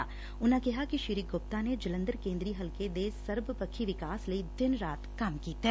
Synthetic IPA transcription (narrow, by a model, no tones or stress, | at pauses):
a | ʊnãkɛɦakiʃiɾiːɡop̚t̪aned͡ʒɐlə̃nd̪əɾkẽːnd̪ɾiɦɐlked̪esɐɾbəpəkʰːiʋɪkaːsləid̪ɪnɾaːt̪kamkiːt̪eɛː